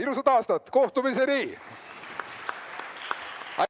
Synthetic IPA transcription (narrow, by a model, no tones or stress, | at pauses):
ilus̬ɑd̪ɑːst̪ɑt̪ːko̞ht̪umis̬eɾiː | ɑ̰